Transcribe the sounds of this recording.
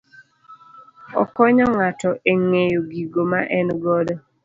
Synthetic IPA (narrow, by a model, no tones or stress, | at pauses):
ɔ̰kɔɲɔŋatɔʔeŋejoɡiɡomaʔɛnɡɔdɔ